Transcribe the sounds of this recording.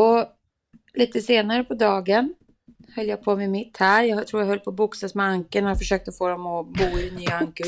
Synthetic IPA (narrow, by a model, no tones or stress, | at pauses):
ɔ | liːt̪əseːnaɾəpʰɔd̪ɑːɡən | hœlːjaɡpʰomɛmɪt̪ːhæːɾjɑɡht̪ʰɾuːɾjaɦœlːpʰɔbʊksasmɛaŋkənɔjafəʂøːk̚t̪əɔfoːd̪ɔmɔbuːɪɛnyːaaŋkə